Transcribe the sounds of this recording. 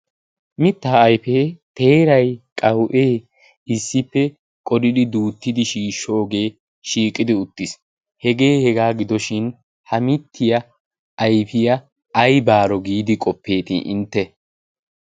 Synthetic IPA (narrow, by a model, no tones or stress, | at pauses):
mɪt̪ːaːɐjfeːt̪e̞ːɾɐjkʼɐwʔe̞ː | ɪsːɪpːɛ | kʼɔd̪ɪd̪ɪd̪uːt̪ːɪd̪ɪʃiːʃːɔːɡe̞ː | ʃiːkʼːɪd̪ɪʊt̪ːɪs | hɛɡe̞ːhɛɡaːɡɪd̪ɔʃɪn | hɐmɪt̪ʰːɪjɐ | ʔɐjfɪjɐː | jbaːɾɔɡiːd̪ɪkʼɔpːe̞ːt̪ɪ̰ʔɪ̰nt̪ːɛ